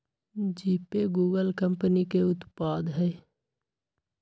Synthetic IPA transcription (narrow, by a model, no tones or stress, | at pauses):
d͡ʒiːpeɡuːɡəlkə̃mpənikeʊt̪paːd̪ɦɛː